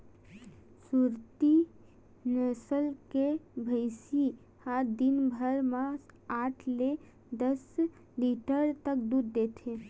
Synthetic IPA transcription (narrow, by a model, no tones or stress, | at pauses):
suɾt̪i | nəsəlkebʱəɪsi | had̪inbʱəɾmãaːʈʰle | d̪əs | liʈəɾt̪ək̚d̪uːɾd̪et̪ʰe